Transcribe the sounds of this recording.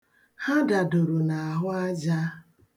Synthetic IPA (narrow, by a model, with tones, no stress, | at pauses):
ha˦da˨dʊ˨ɾu˨na˨a˨ɦʊ˦a˦d͡ʒa˦